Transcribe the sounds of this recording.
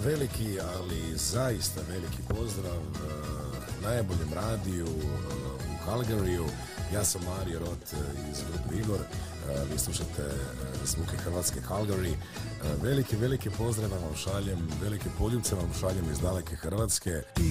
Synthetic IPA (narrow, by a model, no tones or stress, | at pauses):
ʋe̞likiali | zaist̪aʋe̞likʰipo̞zd̪ɾaʋ | najbo̞ʎemɾaːd̪iu | ukalˠɡaɾiu | jaːsamːaːɾijoɾo̞t̪ḭzɡɾupeiɡo̞ɾ | ʋiːslˠuʃat̪ʰḛsmukexr̩ʋat̪skekalɡaɾi | ʋe̞likiʋe̞likipo̞zd̪ɾaʋaʋamʃaʎemʋe̞likipo̞ʎut̪seʋamʃaʎemizd̪alekexr̩ʋaːt̪ske